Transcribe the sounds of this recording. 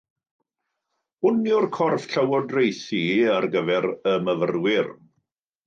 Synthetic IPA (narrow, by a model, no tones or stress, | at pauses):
ʊnjʊrkʰɔrfɬəwɔdrejsiarɡəvɛɾəməvərwɪr